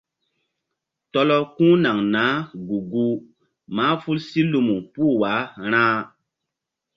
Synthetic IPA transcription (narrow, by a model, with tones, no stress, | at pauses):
tɔ˦lɔ˦kũ˦na˨ŋnaː˨˦ɡu˨ɡu˦ | maː˨˦fu˦lsi˦lu˨mu˨puː˦˨waː˨˦ɾ̃ãː˦